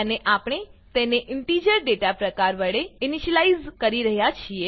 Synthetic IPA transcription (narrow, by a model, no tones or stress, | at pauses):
əneʔapɽ̃et̪eneʔɪɳʈid͡ʒəɾɖeʈapɾəkaɾʋəɭeɪniʃəlaizkəɾiɾəɦjat͡ʃʰie